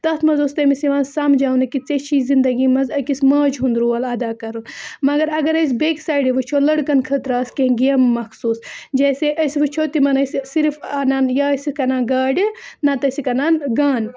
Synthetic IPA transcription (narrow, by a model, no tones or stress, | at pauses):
t̪ɐt̪ʰmɐzost̪emisiʋãːnsamd͡ʒaːwnɐkit͡sɐt͡ʃʰizind̪ɐɡiːmɐzɐkismɐːd͡ʒɦund̪ɾuːɐlɐd̪aːkɐɾunmɐɡɐɾɐɡɐɾɐs̬ʲbeːksaːjɖiʋɨt͡ʃʰolɐɽkɐnkʰɐt̪ɾaːskẽɡijɐmːɐxsuːsd͡ʒeːseʔɐsʋɨt͡ʃʰoːt̪imɐnɐssiɾfaːnaːnjaɐsikɐnaːɡaːɖinɐt̪ɐsikɐnaːnɡaːn